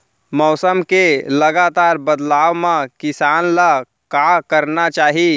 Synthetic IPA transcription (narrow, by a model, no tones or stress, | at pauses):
mɔːsəmkeləɡat̪aːɾbəd̪laːʋmãkɪsaːnla | kakəɾnat͡ʃaːɦi